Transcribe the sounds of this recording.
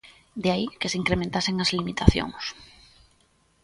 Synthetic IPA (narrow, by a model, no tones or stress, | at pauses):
d̪eaikeseiŋkɾemẽnt̪aseŋazlimit̪aθjo̰ŋs